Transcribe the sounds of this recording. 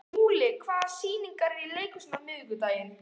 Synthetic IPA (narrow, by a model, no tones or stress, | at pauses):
muːlɪkʰvaːðasiːniŋkaɾileːjkʏsnamʏðɣʏt̪aːjɪn